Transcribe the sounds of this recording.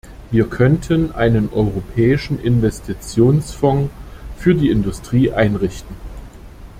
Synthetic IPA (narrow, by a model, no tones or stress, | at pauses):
viːɐkʰœntʰənʔa̰ɪnənʔɔʏʁopʰɛːɪʃn̩ʔɪnvɛstʰit͡sjoːnsfɔŋfyːɐdiːɪndʊstʁ̥iːʔaɪnʁɪçtn̩